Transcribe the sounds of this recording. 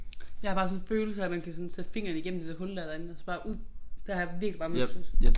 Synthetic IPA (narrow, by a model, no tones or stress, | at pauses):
jɑ̈hɑb̥ɑ̈ːs̬ɔ̽nføːl̩sɐæmænkʰæsɔ̽nsed̥əfe̝ŋ̰ɐːn̩iɡ̥em̰̩d̥id̥æɐɦɔ̽ld̥æɐd̥ɐe̝n̩ɒsb̥ɑ̈ːʔuð̰ˠd̥eæjɑʋiɐɡ̥li̥b̥ɑ̈ːmṵs